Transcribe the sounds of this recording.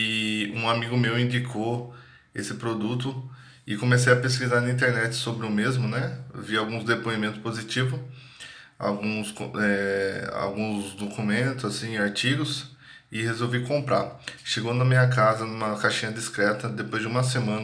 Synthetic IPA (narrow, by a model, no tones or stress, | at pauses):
ɪṵ̃amiɡʊmewĩd͡ʒikʰo | esɪpɾod̪ut̪ʊ | ɪkõmesejɐpeskizaɾnɐ̃ĩnt̪̬eɾnɛt͡ʃɪ̥sobɾɪʊmezmʊnɛviawɡũzd̪epoimẽnt̪ʊspozit͡ʃivʊ | a̰wɡũskɛa̰wɡũzd̪okumẽnt̪ʊzasĩaɾt͡ʃiɡʊs | ɪhezowvikõmpɾa̰ʃeɡõd̪ɐmĩɲɐkazɐnũmɐkaʃĩɲɐd͡ʒiskɾɛt̪ɐd̪epojzd͡ʒɪũmɐsemɐ̃n